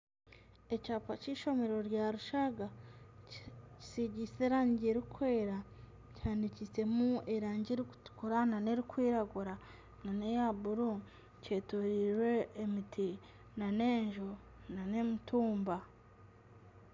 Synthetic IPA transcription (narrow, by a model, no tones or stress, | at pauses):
e̞caːpaciːʃo̞me̞ɾo̞ɾjaɾuʃaɡa | ci̥siɟise̞ɾaːɲɟeɾikʰwe̞ːɾa | caːndicise̞mueɾaːɲɟeɾiku̥kuɾanane̞ɾikwiːɾaɡuɾa | nanejabuɾu | ce̞ːtoɾiɾwe̞ːmitʰi | nane̞ːɲʒo | nane̞mituːmba